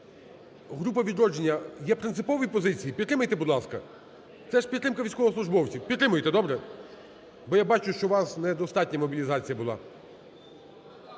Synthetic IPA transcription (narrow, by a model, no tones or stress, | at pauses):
ɦɾup̬ɐʋʲid̪ɾɔd͡ʒenʲːɐjɛpɾɪnt̪ɪpɔʋjipɔzɪt͡sʲijipʲit̪ːɾɪmɐjt̪ɛbʊd̪lˠɑskɐ | t̪sɛʃpʲid̪t̪ːɾɪmkɐʋʲijsʲkɔɦɔsˠʊʒbɔwt͡sʲiwpʲit̪ːɾɪmʊjet̪ɛd̪ɔbɾɛ | bɔjabɑt͡ʃʊʃt͡ʃɔʋɑsnɛd̪ɔst̪ɑtʲnʲɐmɔbʲilʲizɑt͡sʲijɐbʊlˠɑ̰